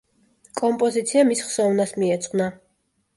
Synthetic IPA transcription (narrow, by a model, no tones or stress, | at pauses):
kʼɔmpʼɔzit̪sʰiamisχsɔvnasmiɛt̪sʼqʼna